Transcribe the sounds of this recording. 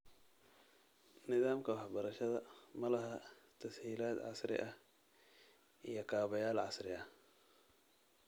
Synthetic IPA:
nɪðaːmkʰɐwɑħbɐɾɐʃɐðɐmɐlɐɦat̪ʰɐshiːlaːd̪ʕɑ̰sɾɪ̰ʔɐ | ʔijɞkʰaːβɐjaːlʕɑsɾɪʔɐ

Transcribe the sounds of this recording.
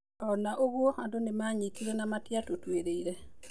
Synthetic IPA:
ɔnaʔoɡwohadonɪmaɲikiɾonamatjatotweɾeiɾe

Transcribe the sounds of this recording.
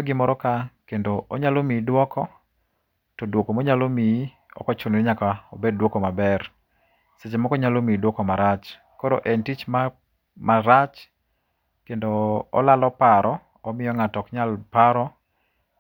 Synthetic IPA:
oɡɪmɔɾɔkakendoːɲalomidwɔkʰɔ | tɔdwokomɔɲalomi | ɔ̰kɔt͡ʃʊnɪɲakaobeddwokomabɛr | set͡ʃemɔkɔɲalomidwɔkɔmaɾat͡ʃ | kɔɾo̰ʔentit͡ʃma | maɾat͡ʃ | kendo̰ːlalɔpaɾʔɔ | ɔmɪjɔŋatɔkɲalpaɾɔ

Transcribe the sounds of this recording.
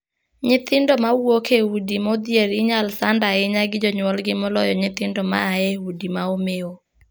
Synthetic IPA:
ɲɪt̪ɪndɔmawokehudimod̪jeɾiɲalsandaɪɲaɡɪd͡ʒɔɲwɔlɡɪmɔlɔjɔɲɪt̪ɪndɔma̰ːeudimaomeo

